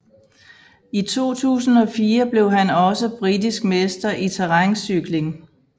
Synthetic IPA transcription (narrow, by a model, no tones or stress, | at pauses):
it͡sʰo̝̰ːt͡sʰṵːsn̩ɒ̽fiːɐb̥le̝ʊɦænɒ̽səb̥ʁidisɡ̥mesd̥ɐʔit͡sʰeʁɑŋsyɡ̥le̝ŋ